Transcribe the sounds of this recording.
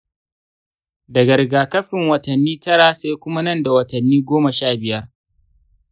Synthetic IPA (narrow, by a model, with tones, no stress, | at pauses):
dɐ˨ɡɐ˨ɾɡaː˨kɐ˦ɸɪ˨ŋwɐ˨tɐ˨nːiː˦tɐ˦ɽa˨sa˦jkʷʊ˦ma˦nɐ˦nda˨wɐ˨tɐ˨nːiː˦ɡʷoː˦mɐ˨ʃaː˦˨bɪ˨jɐ˦r